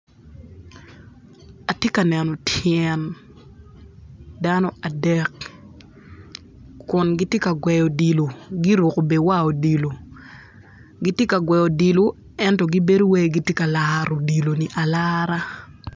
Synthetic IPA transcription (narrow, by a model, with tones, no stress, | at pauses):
a˨tje˦ka˨nɛ˨nɔ˨tʰɛn | da˦nɔ˦ʔa˨dɛ˨k | ʊ˨nɡi˦tje˦ka˨ɡwɛ˨jo˨di˨lo˨ɡi˦ɾo˨ko˨be˨wa˦o˨di˨lo˨ | ɡi˦tje˦ka˨ɡwɛ˨jo˨di˨lo˨ | ɛ˦ntɔ˨ɡi˦be˦do˦we˦ɡi˦tje˦ka˨laɾo˨di˨lo˨ni˨ʔa˨la˦ɾa˦